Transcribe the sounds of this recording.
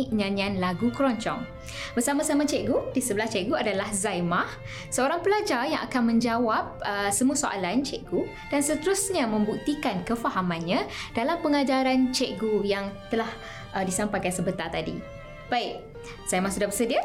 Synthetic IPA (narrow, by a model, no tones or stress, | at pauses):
ʔɲãnĩanlaɡukəɾɔɲt͡ʃɔ̰ŋ | bərsamasamat͡ʃɛʔɡudisəbəlaht͡ʃɛʔɡuadalahzajmah | səoɾaŋpəlad͡ʒarjãŋa̰kanmə̃ɲd͡ʒawap̚əsəmuasoʔa̰lant͡ʃɛʔɡu | d̥ansət̪əɾusɲamə̃mbuk̚t̪ikankəfaɦamãnɲãd̥alampəŋad͡ʒaɾant͡ʃɛʔɡujaŋt̪əlah | ʔədisampajkansəbət̪art̪adḭ | b̥aiʔ̚ | z̥ajmahsudahbərsədiə